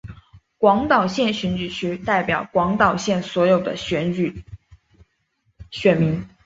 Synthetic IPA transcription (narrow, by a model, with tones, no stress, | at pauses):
kwɑ˧˥ŋt̪ɑ˨˩ʊɕjɛ˥˩nɕɥɛ˧˥nt͡ɕy˨˩t͡ɕʰy˥t̪a˥˩ɪpjɑ˨˩ʊkwɑ˧˥ŋt̪ɑ˨˩ʊɕjɛ˥˩nswɔ˧˥jo˨˩ʊd̪ə̰˦ɕɛ˧˥ny˨˩ | ɕɥɛ˨˩nmi˧˥ŋ